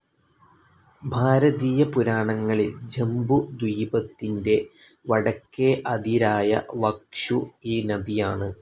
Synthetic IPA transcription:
bʱaːɾɐðiːjɐpuɾaːɳɐŋːɐɭild͡ʑembud̪wijbɐt̪ːinde̞ | ʋɐɽɐkːeʔɐd̪iɾaːjɐ̰ʋɐkʂuiːnɐðijaːɳɨ

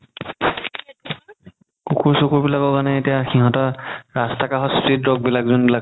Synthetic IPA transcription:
kukuɹsokuɹbilakɔkanɛetijaxiɦɔtɔɹastakaɦɔspidɹɔɡ̚bilakzonbilak̚

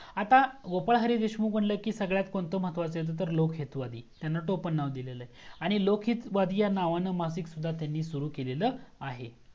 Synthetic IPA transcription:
at̪aɡopəɭɦəɾiːd̪eɕmuːkm̤əɳləːkiːsəɡɭjat̪kont̪om̤ət̪ʋat͡səjet̪̬ət̪̬əɾlokʰɦet̪ʋad̪ʱiːt̪janːaʈopənːaʋd̪ileləjaɽ̃ilokʰɦit̪ʋad̪ʱiːjanaʋanəmasiksud̪ʱːat̪janːiːsuɾuːkeleləːaɦe

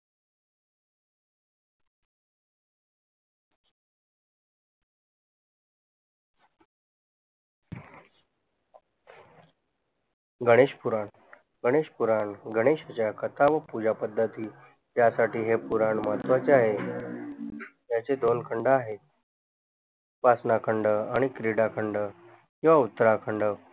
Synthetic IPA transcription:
ɡəɽ̃eɕpuɾaɳ | ɡəɽ̃eɕpuɾaɳɡʱəɽ̃eɕat͡ɕjakət̪ʰaʋəpud͡ʑapəd̪ʱːət̪iː | jasaʈiːɦepuɾaɳmat̪ʋat͡seaɦe | jat͡sed̪onkʰəɳɖəaɦe | pasnakʰəɳɖəaɽ̃ikɾiɽakʰəɳɖə | kĩʋaut̪ːəɾakʰəɳɖə

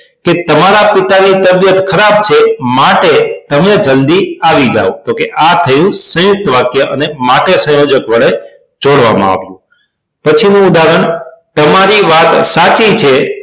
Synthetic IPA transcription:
ket̪əmaɾapit̪anit̪əbjət̪kʰəɾab̚t͡ʃʰemaʈet̪əmed͡ʒəld̪iaʋid͡ʒa̰õd͡ʒokeʔat̪ʰəjũsə̃jʊk̚t̪əʋakjəʔənemaʈesə̃jod͡ʒəkʋəɭe | d͡ʒoɽʋa̰mã̰a̰ʋjũ | pət͡ʃʰinũʊd̪aɾəɳt̪əmaɾiʋat̪sat͡ʃit͡ʃʰe

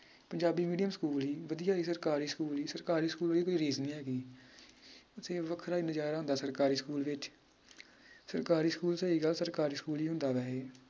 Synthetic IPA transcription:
pəɲd͡ʒaːbiːmiːɖijəmskuːliːʋəd̪ijaːiːsəɾkaːɾiːskuːliːsəɾkaːɾiːskuːlʋəliːkoiːɾiːznĩːɦɛːɡiː | ʊt̪ʰeːʋəkʰɾaːɪnɪd͡ʒaːɾaːɦʊnd̪aːsəɾkaːɾiːskuːlʋɪt͡ʃ | səɾkaːɾiːskuːlsəiːɡəlsəɾkaːɾiːskuːliːɦʊ̃nd̪aːʋɛɦeː

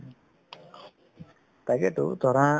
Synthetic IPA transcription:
t̪aɡɛt̪ṵt̪ɔɾã

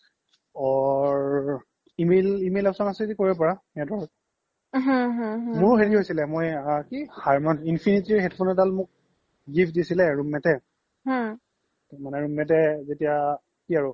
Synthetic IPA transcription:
ɔɹ | imelimelɛpsɔnasɛikoɹip̬ɔɹa | ɛadɔɹɔt̚ | ɦãɦãɦmʊɹɦeɹiɦojsilɛmojakihaɹmɔninpʰinitiɹɦɛdpʰonɛtalmʊk̚ | ɡipʰdisilɛɹumɛtɛ | hã | tɛmanɛɹumːɛt̬ɛzetija | kiaɹʊ

